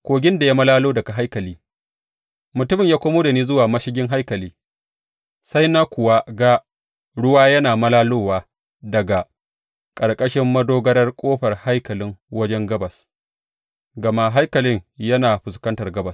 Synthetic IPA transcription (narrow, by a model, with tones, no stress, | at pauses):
kʷoː˨ɡʲɪ˦nda˨ja˦mɐ˦laː˦loː˦dɐ˨ɡa˨ɦa˦jkɐ˨liː˦ | mʊ˨tʊ˦mɪ˨ɲjaː˦kʷoː˦moː˦da˨niː˦zʊ˦waː˨mɐ˦ʃɪ˦ɡʲɪ˦ŋɦa˦jkɐ˨liː˦ | sa˦jna˦kʷʊ˨wa˦ɡa˦ | ɽʊ˦waː˦jɐ˦naː˨mɐ˦laː˦loː˦waː˦ | dɐ˨ɡa˨ | kʼɐ˨rkʼɐ˦ʃɪ˦mːɐ˦doː˦ɡɐ˦ɾɐ˦rkʷʼoː˦ɸɐ˨rha˦jkɐ˨lɪ˦ŋwɐ˦d͡ʒɛ˦ŋɡɐ˦bɐ˨s | ɡɐ˨ma˦ɦa˦jkɐ˨lɪ˦ŋjɐ˦naː˨ɸʊ˨skɐ˦ntɐ˨rɡɐ˦bɐ˨s